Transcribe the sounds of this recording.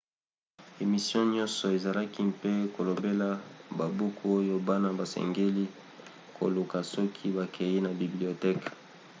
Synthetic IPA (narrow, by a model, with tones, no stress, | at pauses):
e˨mi˨sjɔ̃˦ɲɔ̃˦nsɔ˨e˨za˨la˦ki˦pe˦ko˨lo˨be˦la˦ba˨bu˦kʰu˦o˦jo˦ba˦na˦ba˨sɛ̰˨ŋɡe˦li˦ | ko̰˨lu˨ka˨sɔ˦kʰi˦ba˨kʰe˨ji˦na˨bi˨bli˨o˨tɛ˦k